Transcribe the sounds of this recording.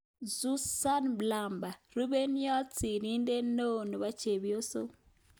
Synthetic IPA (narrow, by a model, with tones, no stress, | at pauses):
zu˦sa˦nbla˨mba˨ɾu˦βe˦ni˦ja˦t͡si˨ɾi˦nde˦no˦˨nu˨βa˦t͡ʃe˨βjo˦so˦